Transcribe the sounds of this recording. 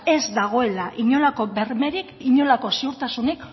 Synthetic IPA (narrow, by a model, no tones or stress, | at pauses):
e̞zd̪aɣ̞o̞e̞laʔiɲo̞lako̞βe̞ɾme̞ɾikiɲo̞lako̞siuɾt̪asunik